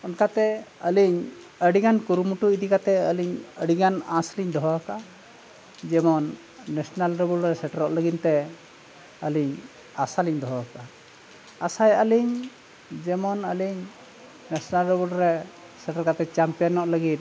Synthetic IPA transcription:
ɔnkat̪ɛəliɲ | əɽiɡankuɾumuʈuid̪ikat̪ɛəliɲəɽiɡanãsliɲd̪ɔɦɔka | d͡ʒɛmɔnː | ɛsɔnalɾɛbulɾɛsɛʈəɾɔ̰ʔləɡint̪ɛ | əliɲ | asaliɲd̪ɔɦɔka | asajəliɲ | d͡ʒɛmɔnəliɲ | nɛsɔnalɾɛbuɾɛ | sɛʈəɾkat̪ɛt͡ʃampijɔnɔʔləɡit̪̚

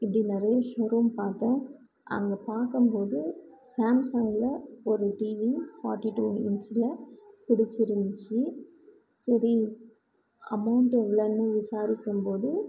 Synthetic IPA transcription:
ɪpːɐɽinɪɾɐjɐʃoːɾuːmpaːɾt̪ãː | ʔɐ̰ŋɡɐpaːɾkɯmpoːðɯsaːmsɐŋɡɪlɐɔɾɯʈiːʋifaːɾʈːiʈːuːɛ̰nsɪlɐpɪɽɪt͡ʃːɪɾɯnd̪ɪt͡ʃːɯ | sɐɾi | ɐ̰mɐʊɳʈɛʋɐɭɐnːɯ̃ʋɪsaːɾɪkːɯmpoːðɯ

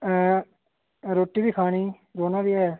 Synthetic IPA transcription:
ɾoːʈiːbiːkʰaːñiː | ɾoːnãːbiːɛː

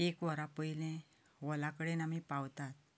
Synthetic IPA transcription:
ekʋəɾapəilẽ | ʋəlakəɽenamipawt̪at̪̚

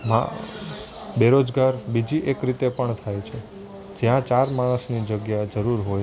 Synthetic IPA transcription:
ma̰ | beɾod͡ʒɡaɾbid͡ʒiʔekɾit̪epəɳt̪ʰajt͡ʃʰe | d͡ʒjãt͡ʃaɾmaɽ̃əsnid͡ʒəɡjad͡ʒəɾuɾɦoj

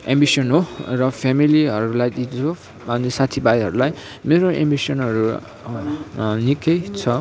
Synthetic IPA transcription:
ḛ̃mbisʌnɦorʌpʰemiliɦʌɾulajd̪it͡so | anesat̪ʰibajɦʌɾulaj | meɾoʔḛmbisʌnɦʌɾu | nikʌjt͡sʰʌ

